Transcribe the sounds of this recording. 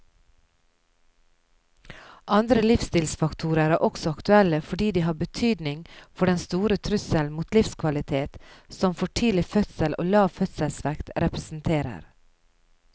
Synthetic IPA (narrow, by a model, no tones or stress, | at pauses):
ʔɑnd̪ɾəlɪfst̪ɪːlsfɑkt̪ʰuːɾəɾæʔɔksɔɑkt̪ʉɛləfɔɖiːd̪iːɦɑːbət̪ʰyːd̪nɪŋfɔɖɛnst̪uːɾət̪ʰɾʉsəlmuːt̪lɪfskʰʋɑlɪt̪ʰeːt̪sɔmfɔʈʰiːlɪfœt̪səlʔo̰ːlɑːʋfœt̪səlsʋækt̪ɾɛpɾɛsn̩t̪ʰeːɾə̰ɾ